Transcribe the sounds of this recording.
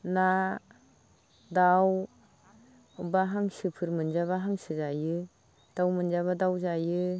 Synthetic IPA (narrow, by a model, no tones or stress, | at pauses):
na | daw | baɦaŋsɯpʰɯɾmɯnzaβaɦaŋsɯzajɯ | d̥awmɯnzaβadawzajɯ